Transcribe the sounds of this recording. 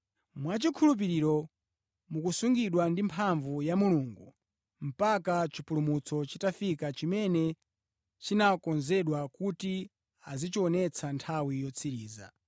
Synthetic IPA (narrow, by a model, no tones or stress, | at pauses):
mwat͡ʃikʰulup̬iɾiɾɔ | mukusuŋɡiɗwandimpʰaɱvujamuluŋɡu | m̩pakat͡ʃipulumut͡sʰɔt͡ʃitafikat͡ʃimɛnɛ | t͡ʃinakɔnzɛɗwakuti | azit͡ʃiɔnɛt͡sʰantʰawijɔt͡sʰiɾiːza̰